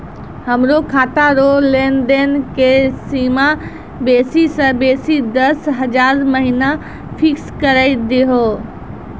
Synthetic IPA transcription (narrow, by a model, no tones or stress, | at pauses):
ɦəmɾokʰaːt̪aɾolenɖenkesima | beːsisə̃beːsid̪əsɦəd͡ʒaːɾməɦina | pʰɪkskəɾaid̪eɦo